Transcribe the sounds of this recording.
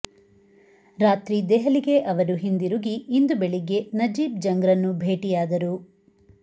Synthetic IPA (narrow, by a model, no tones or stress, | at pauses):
ɾaːt̪ɾid̪ɛɦɐliɡe̞ʔɐʋɐɾuɦind̪iɾuɡiːnd̪ubeɭiɡe̞nɐd͡ʒiːb̚d͡ʒɐŋɡɾɐnːubʱeːʈijaːd̪ɐɾu